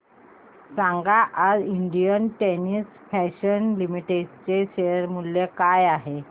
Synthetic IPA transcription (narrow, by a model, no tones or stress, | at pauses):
sãŋɡaʔad͡ziɳɖijənʈenis | fɛɕənlimiʈeɖt͡seɕeəɾmuljekajaɦe